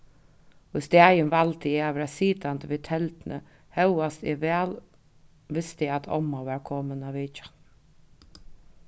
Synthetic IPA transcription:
ʊst̪æːjənʋalt̪əɪaʋɾasiːt̪ant̪əʋiːt̪ʰɛlt̪nʔə̰ | hɛwast̪ɪʋæːl | ʋɪst̪əɪat̪ʰɔ̰mːaʋæːɹkʰɔːmənaʋɪːt͡ʃḁ

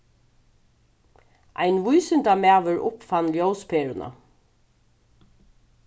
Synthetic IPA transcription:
ʔa̰jnʋujsɪnt̪amæːʋʏɹʔʊpfanljowspʰeːɾʊnʔa̰

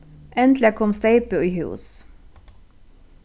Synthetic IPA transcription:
ʔɛnt̪lɪkʰɔmst̪eɪpəiːhʉ̰ːs

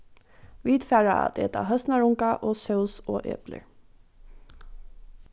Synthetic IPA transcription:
ʋiːd̪fæːɹɑɑ̰d̪ḛːt̪ɑ̰ːhœst̪nɑɹʊŋkɑʔoːsœʊso̰ːʔḛːplə̰

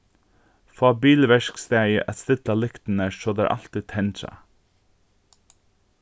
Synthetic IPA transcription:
fɑːbiːlʋɛʃkst̪æʔæst̪ɪt̪lɑːlʏkt̪n̩əʃoːd̪æ̰ɾʔɑ̰lt̪ɪt̪ʰɛnʃɑ̰

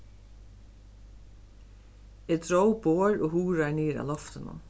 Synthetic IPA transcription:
ɛːd̪ɹowboːɹɔːɦuːɾaɹneːɾa̰lɔft̪ɪnʊ̰

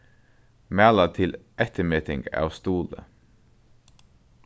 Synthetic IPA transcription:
mæːlət̪ʰɪlʔɛt̪ʰəmɛːt̪ʰɪŋɡɑ̰ːʋst̪uːlə̰

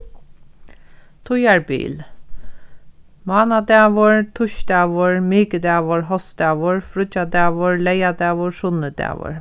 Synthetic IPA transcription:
t̪ʰʊjaɹbḭːl | mɑːnad̪ɛːʋʊɹt̪ʰʊʃd̪ɛːʋʊɹmiːkəd̪æːʋʊɹɦɔsd̪ɛːʋʊɹfɾʊt͡ʃad̪æːʋʊɹlɛjad̪ɛːʋʊɹʂʊnəd̪ɛ̰ːʋʊ̰ɹ

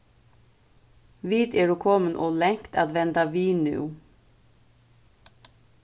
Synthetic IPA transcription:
ʋiːd̪ɛːɹuːkʰɔːmənʔɔːlɛŋkt̪aːd̪ʋɛnt̪aʋiːnʏ̰ʊ

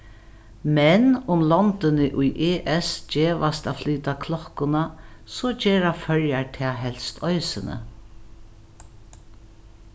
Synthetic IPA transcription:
mɛnʊmlɔnt̪ɪnɪʔʊjʔeːʔɛsd͡ʒeːʋast̪afliːt̪akʰlɔkʊnasɔd͡ʒeːɾafœɹjaɹt̪ʰɛːɦɛl̥st̪ʰɔjsɪnə̰

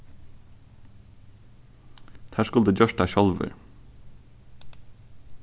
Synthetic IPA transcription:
t̪hæːʃkʉld̪əd͡ʒœʃtɑːʃɔlʋə̰ɾ

